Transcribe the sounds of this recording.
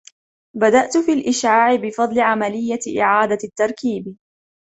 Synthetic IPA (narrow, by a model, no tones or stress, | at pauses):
bad̪aʔt̪fiːlʔɪʃʕaːʕɪbɪfɑd̪ˤlɪʕamalɪjːaʔɪ̰ʕaːd̪at̪ːɑɾˤkiːb